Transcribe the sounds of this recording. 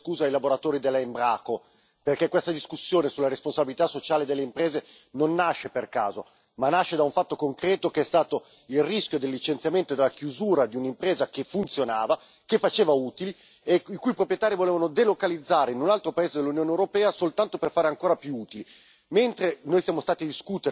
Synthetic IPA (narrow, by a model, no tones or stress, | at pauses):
kuːzajlavoɾat̪oːɾid̪elaembɾaːko | perkɛkːwest̪ad̪iskusːjoːnesulaɾesponsabilit̪asːot͡ʃaːled̪elːeimpɾeːze | nonːaʃːeperka̰ːzo̰ | manaʃːed̪auɱfat̪ːokoŋkɾɛːt̪okeɛst̪aːt̪o | ilriskjod̪elːit͡ʃent̪sjament̪od̪elːakjuzuːɾad̪iunimpɾeːzakefunt̪sjonaːva | kefːat͡ʃeːvauːt̪ili | eikujipɾopɾjet̪aːɾivoleːvanod̪elokalid̪zːaːɾeinunalt̪ɾopaeːzed̪elːunjoːnewɾopɛːasolt̪ant̪operfaːɾeaŋkoːɾapjuuːt̪ili | ment̪ɾenoːjsjaːmost̪aːt̪id̪iskut̪eɾ